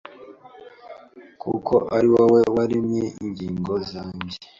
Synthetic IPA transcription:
kʰṵkʰo̞̰ʔaɾiwawewaɾimŋeiɲɟiːŋɡo̞zaːɲɟe

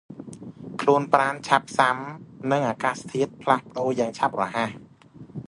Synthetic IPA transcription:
kʰluənpraːnt͡ɕʰap̚samnɨŋʔaːkaːst̪ʰiət̪̚pʰlahpə̆ɗoːjaːŋt͡ɕʰap̚rɔɦah

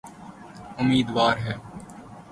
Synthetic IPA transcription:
ʊmiːd̪ʋaːɾɦɛː

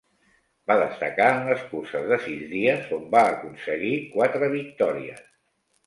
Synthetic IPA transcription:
baðəst̪əkaənləskursəzðəsizðiəzombaːkunsəɣikwat̪ɾəβ̞ik̚t̪ɔɾiə̰s

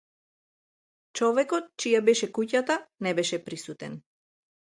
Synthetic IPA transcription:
t͡ʃɔvɛkɔt̪̚t͡ʃijabɛʃɛkucat̪anɛbɛʃɛpɾisut̪ɛ̰n

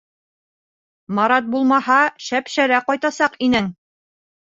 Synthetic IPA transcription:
mɑɾɑt̪̚bulˠmɑhɑʃæpʃæɾæqɒjt̪ɑsɑqinɘŋ

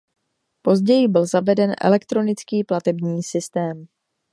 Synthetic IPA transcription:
po̞zɟɛjɪbɪlzavɛdɛnʔɛ̰lɛkt̪ɾo̞nɪt͡skiːplat̪ɛbɲiːsɪst̪ɛːm

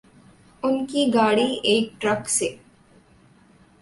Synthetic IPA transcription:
uŋkiːɡaːɽiːʔeːk̚ʈɾɐkse

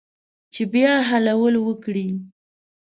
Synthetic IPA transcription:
t͡ʃebjɑɦalawəlwəkɽi

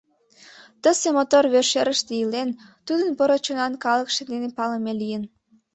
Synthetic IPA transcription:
t̪əsemot̪orβørʃeɾəʃt̪ejəlent̪ud̪ənpoɾot͡ɕonɑnkɑləkʃed̪enepɑləmelijən

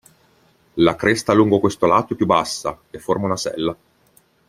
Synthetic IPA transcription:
lakɾest̪aluŋɡokwest̪olaːt̪oɛpːjubːasːa | efːormaunasɛ̰lːa

